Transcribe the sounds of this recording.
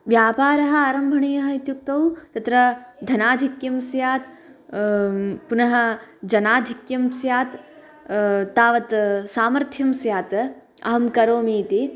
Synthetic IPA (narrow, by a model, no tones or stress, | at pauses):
ʋjaːpaːɾɐɦɐ̆aːɾɐmbʱɐɳeːjɐɦɐit̪juk̚t̪ːɐwt̪ɐt̪ɾɐd̪ʱɐnaːd̪ʱikjɐmsjaːt̪ | punɐɦɐd͡ʒɐnaːd̪ʱikjɐmsjaːt̪ | t̪ːaːʋɐt̪saːmɐɾt̪ʰjɐmsjaːt̪ | ɐ̰ɦɐmkɐɾoːmiːt̪i